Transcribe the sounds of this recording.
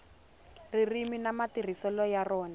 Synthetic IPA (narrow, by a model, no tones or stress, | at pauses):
ririminamatir̤isɔlɔjarɔːna